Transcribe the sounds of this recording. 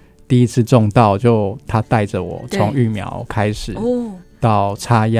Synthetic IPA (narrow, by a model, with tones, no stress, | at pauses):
t̪i˥˩i˦˥t͡sʰɹ̩˥˧ʈ͡ʂʊ˥˧ŋt̪ɑ˥˩ʊt͡ɕjo˥˧ʊt̪ʰa˦˥t̪a˥˩ɪd͡ʒə˩wɔ̰˨˩˦t͡sʰɔ˧˦ŋy˥˩mjɑ̰˨˧˦ʊkʰa˦ɪʂɻ̩˨˩t̪ɑ˥˩ʊʈ͡ʂʰa˥ja˥